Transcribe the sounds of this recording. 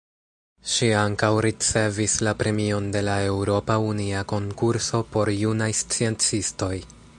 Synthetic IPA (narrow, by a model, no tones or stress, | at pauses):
ʃiaŋkawɾit͡se̞vislapɾe̞mio̞nde̞lae̞wɾo̞pauniako̞ŋkuɾso̞po̞ɾjunajst͡sie̞nt͡sisto̞j